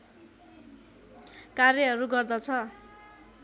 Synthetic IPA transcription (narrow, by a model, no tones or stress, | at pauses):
karjʌɦʌɾuɡʌrd̪ʌt͡sʰʌ